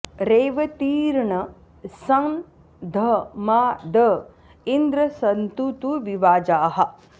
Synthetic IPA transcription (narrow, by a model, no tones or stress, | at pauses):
ɾeːʋɐt̪iːɾɳɐ | sɐŋ | d̪ʱɐmaːd̪ɐ | ind̪ɾɐsɐnt̪ut̪uʋiʋaːd͡ʒaːɦɐ̆